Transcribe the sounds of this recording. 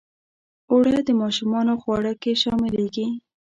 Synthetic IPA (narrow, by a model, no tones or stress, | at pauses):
oɽad̪əmɑʃumɑnoxwɑɽəkeʃɑmɪleɡi